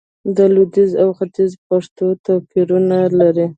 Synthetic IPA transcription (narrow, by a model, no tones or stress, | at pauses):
d̪əlud̪izawxat̪izpaʂt̪ot̪opiɾunalaɾi